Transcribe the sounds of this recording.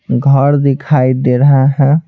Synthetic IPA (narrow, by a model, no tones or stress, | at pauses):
ɡʱəɾd̪ɪkʰaːid̪eːɾəɦaɦɛ̃